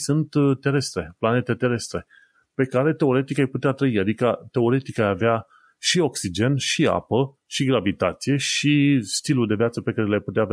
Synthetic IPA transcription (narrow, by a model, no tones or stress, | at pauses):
sunt̪t̪ːe̞ɾe̞st̪ɾe̞plane̞t̪e̞t̪e̞ɾe̞st̪ɾe̞ | pe̞kaɾe̞t̪e̞o̞ɾet̪ikajput̪eat̪ɾəiad̪ikət̪e̞o̞ɾe̞t̪ikajavea | ʃio̞ksid͡ʒe̞nʃia̰pə | ʃiɡɾavit̪at̪sije̞ʃist̪iluld̪e̞vjat̪səpe̞kaɾelajput̪eaːvʲ